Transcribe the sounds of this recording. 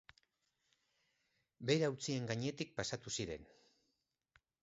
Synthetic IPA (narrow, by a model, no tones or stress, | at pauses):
be̞jɾawt͡sie̞ŋɡaɲe̞t̪ik̚pasat̪usiɾe̞̰n